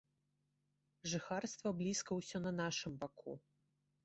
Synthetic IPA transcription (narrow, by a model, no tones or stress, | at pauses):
ʐɨxarst̪vɐblʲiskɐwsʲɔnɐnaʂɨmbakʰṵ